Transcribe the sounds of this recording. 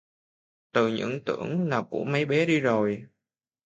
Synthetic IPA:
t̪ɨ˨˩ɲɨ̰˧˥ŋt̪ɨ˧˩əŋlaː˨˩kṵ˧˩əmə˨˦jɓe˨˦ɗi˧zo˨˩j

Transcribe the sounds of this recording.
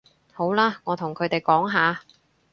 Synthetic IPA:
ho˨˥wlaː˥ŋɔː˨˧t̪ʰʊ˨˩ŋkʰɵ˨˧ɥt̪e˨jkɔː˨˥ŋɦaː˨˧

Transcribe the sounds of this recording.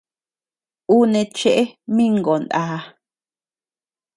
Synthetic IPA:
u˦nẽ˧t͡ʃe˦ʔe˦mĩ˦ŋɡo˨nd̪aː˨˦

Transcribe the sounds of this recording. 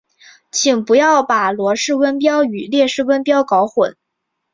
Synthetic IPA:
t͡ɕʰi˨˩ŋpu˧˥jɑ˥˩ʊpa˨˩lwɔ˧˥ʂɻ̩˥˩wə˥npjɑ˥ʊy˨˩ljɛ˥˧ʂɻ̩˥˩wə˥npjɑ˥ʊkɑ˧˥ʊxwə˨˩˦n

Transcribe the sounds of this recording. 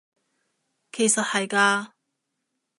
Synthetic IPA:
kʰe˨˩jsɐ˨t̚hɐ˨jkaː˧

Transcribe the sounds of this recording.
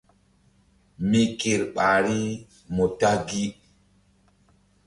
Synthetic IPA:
mi˨ke˨ɾɓa˨ɾi˦ | mo˨ta˦ɡi˦

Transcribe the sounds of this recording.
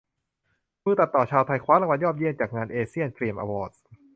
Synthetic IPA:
mɯː˥˩t̪a˨˩t̪ːɔː˨˩t͡ɕʰaː˧wt̪ʰa˧jkʰwaː˦˥ɾla˧ŋwa˧njɔː˥˩p̚ji˥˩ənt͡ɕaː˨˩k̚ŋaː˧nʔeː˧si˥˩ənkɾi˧əmʔa̰ː˧wɔː˧˩t̪̚s

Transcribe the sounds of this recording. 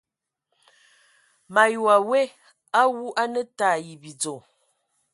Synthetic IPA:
ma˨jwa˨we˦ | a˦wu˦ʔa˦nə˦taː˦˨ji˨bi˨d͡zo˨

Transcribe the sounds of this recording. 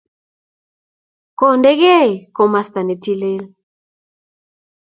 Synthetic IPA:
ko˨ndɛ˦ɣe˦˨ko˨ma˨st̪a˨nɛ˨ti˦le˦l

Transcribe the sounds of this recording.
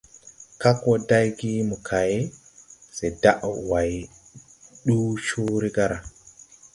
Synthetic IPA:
ka˦kɔ˦da˦jɡi˦mu˨kʰa˨je˦ | se˨da˦ʔwa˨j | ɗu˦t͡ʃu˦ɾi˦ɡa˦ɾa˨

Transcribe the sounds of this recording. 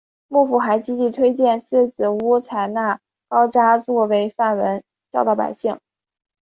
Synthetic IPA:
mu˥˩fu˨˩xa˧˥ɪt͡ɕi˥t͡ɕi˧˥t̪ʰwe˥ɪt͡ɕjɛ˥˧nsɹ̩˥˩t͡sɹ̩˨˩u˥t͡sʰa˧˩ɪna˥˩ | kɑ˥ʊʈ͡ʂa˥t͡swɔ˥˩we˧˥ɪfa˥˩nwə˧˥n | t͡ɕjɑ˥˧ʊt̪ɑ˥˩pa̰˨˩ɪɕi˥˩ŋ

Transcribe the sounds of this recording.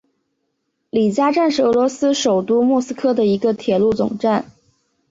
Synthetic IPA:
li˨˩t͡ɕja˥ʈ͡ʂa˥˧nʂɻ̩˥˩ɤ˧˥lwɔ˧˥sɹ̩˥ʂo˨˩ʊt̪u˥mwɔ˥˩sɹ̩˥kʰɤ˥d̪ə˨i˧˥ɡə˧t̪ʰjɛ˨˩lu˥˩t͡sʊ̰˨˩ŋʈ͡ʂa˥˩n

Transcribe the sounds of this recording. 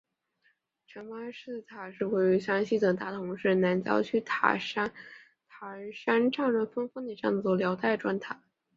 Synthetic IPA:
ʈ͡ʂʰə˧˥npa˥ʂɻ̩˥˩t̪ʰa˨˩ʂɻ̩˥˧we˥˩ɪy˧˥ɕjɑ˥ŋɕi˥˩d̪ɤ˨˩ŋt̪a˥˩t̪ʰʊ˧˥ŋʂɻ̩˥˩na˧˥nt͡ɕjɑ̰˥ʊt͡ɕʰy˥˩t̪ʰa̰˨˩ʂa˥n | t̪ʰa˨˩˧ʂa˥nʈ͡ʂɑ˥˧ŋɻə˥˩fə˥nfə˥ŋd̪ə˨˩jɑ˥˧ŋwɔ˥˩ljɑ˧˥ʊt̪a˥˩ɪʈ͡ʂwa˥˩nt̪ʰa˨˩˦

